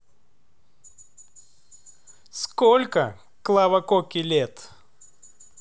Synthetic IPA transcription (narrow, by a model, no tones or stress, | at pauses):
skolʲkə | klˠavɐkokʲɪlʲet̪